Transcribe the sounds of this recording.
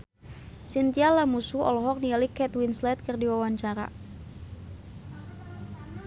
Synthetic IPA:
sint̪ialamusuɔ̰lɔɦɔk̚nialikɛt̪winslɛt̪̚kərdiwawaɲt͡ʃaɾa̰

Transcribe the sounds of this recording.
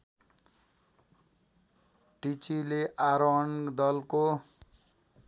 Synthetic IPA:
ʈit͡sileʔaɾɔɳd̪ʌlko

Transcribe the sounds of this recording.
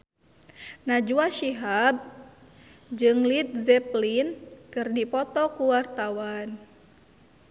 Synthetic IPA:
nad͡ʒuaʃiɦab̚ | d͡ʒɨŋlit̪̚zɛplinkɨrdipɔt̪ɔkuwart̪awan

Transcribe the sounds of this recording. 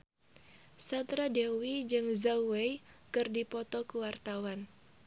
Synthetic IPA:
sant̪ɾadewid͡ʒɨŋzauwejkɨrdipɔt̪ɔkuwart̪awan

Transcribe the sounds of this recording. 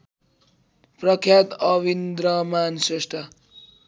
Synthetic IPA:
prʌkʰjat̪ʌʋind̪ɾʌmansesʈʰa

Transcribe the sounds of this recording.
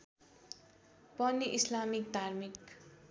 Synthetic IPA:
pʌniʔislamik̚d̪ʱarmik

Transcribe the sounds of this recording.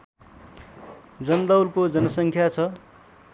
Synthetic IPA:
d͡zʌnd̪ʌwlkod͡zʌnʌsʌŋkʰjat͡sʰʌ

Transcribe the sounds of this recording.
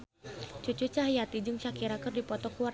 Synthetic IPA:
t͡ʃut͡ʃut͡ʃaɦjat̪id͡ʒɨŋt͡ʃakiɾakɨrdipɔt̪ɔkuwar

